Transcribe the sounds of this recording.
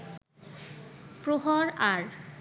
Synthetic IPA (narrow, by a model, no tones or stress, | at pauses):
pɾoɦɔɾaɾ